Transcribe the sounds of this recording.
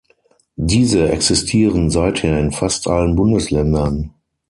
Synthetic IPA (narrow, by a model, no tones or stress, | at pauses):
diːzəɛksɪstʰiːʁənzaɪtheːɐɪnfastʔalənbʊndəslɛndɐn